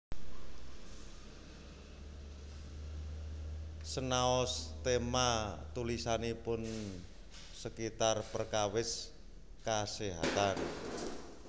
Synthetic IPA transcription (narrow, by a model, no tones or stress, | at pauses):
sənaɔst̪emat̪ulisanipʊn | səkit̪arpərkawɪs | kaseɦa̰t̪an